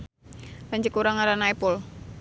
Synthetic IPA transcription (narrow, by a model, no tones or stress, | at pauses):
laɲd͡ʒikuɾaŋaɾanaipʊl